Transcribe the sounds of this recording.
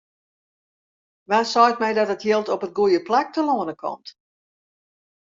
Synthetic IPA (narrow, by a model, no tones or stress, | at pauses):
ʋaːsɔjt̚mɛjdɔtətjɪlˠtɔpət̚ɡujəplak̚təloənəkʰɔ̰mt